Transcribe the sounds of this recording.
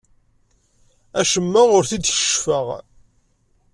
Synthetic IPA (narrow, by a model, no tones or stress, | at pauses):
æʃəmːaʁʊɾθid̪çə̥ʃfəʁ